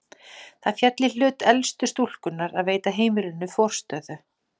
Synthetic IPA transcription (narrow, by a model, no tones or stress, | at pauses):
θaðfjɛt̪lɪl̥ʏːt̪ɛlst̪ʏst̪ul̥kʏnːaɾaðveːjt̪aɦeːjmɪɾɪnːʏfɔr̥st̪œːðʏ